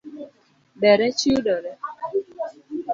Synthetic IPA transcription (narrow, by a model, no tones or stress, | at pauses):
bɛɾɛt͡ʃiudɔɾɛ